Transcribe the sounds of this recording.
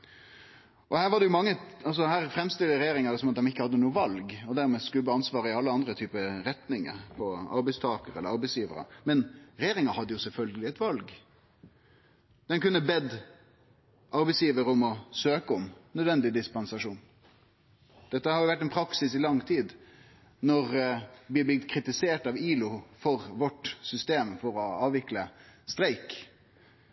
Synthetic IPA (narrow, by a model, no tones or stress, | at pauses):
ʔɔhæːɾʋɑɖɛjʊmɑŋːəɑlsɔhæːɾfɾɛmst̪ɪlːəɾɛjeːɾɪŋɑd̪ɛsɔmɑt̪̚d̪ɛmɪkːəhɑd̪ːənuːəʋɑlɡɔd̪æɾmɛskʉlbəɑnsʋɑːɾəɪɑlːəɑnd̪ɾət̪ʰyːpəɾɛt̪nɪŋə̰ɾpʰɔɑ̰ɾbɛɪst̪ʰɑːkəɾɛ̰lːəɾɑɾbɛɪsjiːʋə̰ɾɑ̰mɛnɾɛjeːɾɪŋɑhɑd̪ːəjʊsɛlfœlɡəlɪɛɪt̪ʋɑlɡ | d̪̥ɛnkʉnːəbɛd̪ | ʔɑɾbɛɪsjiːʋəɾəʊmɔsøːkəɔmnœd̪ʋɛnd̪ɪd̪ɪspɑnsɑʂuːn | d̪̥ɛt̪ːəhɑɾjʊʋæʈːɛnpʰɾɑksɪsɪlɑŋt̪ʰiːd̪ | nɔɾʋɪb̪ɪt̪kʰɾɪt̪ɪseːʈɑʋiːlʊfɔʁʋɔʈsʏst̪eːmfɔɾɔɑːʋɪkləst̪ɾæɪk